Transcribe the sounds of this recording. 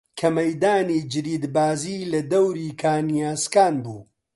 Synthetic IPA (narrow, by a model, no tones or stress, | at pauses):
kʰɐmɐjd̪aːniːd͡ʒɨɾiːd̪baːziːlɐd̪ɐwɾiːkʰaːnijaːskaːnbṵː